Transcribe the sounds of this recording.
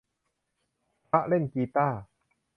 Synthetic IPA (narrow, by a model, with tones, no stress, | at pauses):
pa˦˥ʔle˥˩nkiː˧t̪aː˥˩